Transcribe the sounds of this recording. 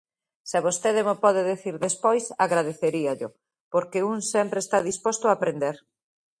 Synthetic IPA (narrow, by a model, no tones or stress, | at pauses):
sɪaβost̪eðɪmopɔðeðeθiɾðespojsaɣɾaðeθeɾiaʎʊ | poɾkeuŋsɛmpɾeːst̪aðispost̪ʊaːpɾend̪eɾ